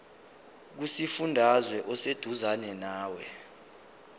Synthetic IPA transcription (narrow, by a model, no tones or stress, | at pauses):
k̬usifundʱazwɛʔɔsed̥ʱuzanɛnaːwɛ